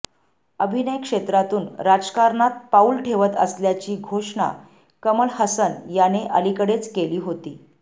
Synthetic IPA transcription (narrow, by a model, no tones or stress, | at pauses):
əbʱinəjkʂet̪ɾat̪uːnɾad͡zkaɾɳat̪̚paulʈʰeʋət̪ə̰sljat͡ɕiːɡʱoʂɳa̰ | kəməlhəsənjaneʔə̰likəɽet͡skeliːɦot̪iː